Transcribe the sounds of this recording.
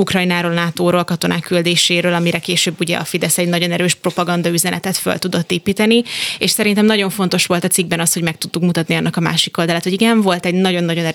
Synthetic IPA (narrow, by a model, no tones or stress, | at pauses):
ukrɒjnaːɾolnaːt̪oːɾolkɒt̪o̞naːkːyld̪eːʃeːɾøːlɒmiɾɛkeːʃøːbːuɟɛ̰ɒ̰fid̪ɛsɛɟnɒɟo̞nɛɾøːʃpro̞pɒɡɒnd̪ɒyzɛnʔɛ̰t̪ɛt̪fø̰lt̪ud̪o̞t̪ːeːpiːt̪ɛnieːʃsɛɾint̪ɛmnɒɟo̞ɱfo̞nt̪o̞ʃʋo̞lt̪ɒt̪siɡ̚bɛnɒsho̞ɟmɛk̚t̪ud̪ːukmut̪ɒt̪niɒnːɒkɒma̰ːʃiko̞ld̪ɒlaːt̪ho̞ɟiɡɛɱvo̞lt̪ɛɟnɒɟo̞nːɒɟo̞nɛ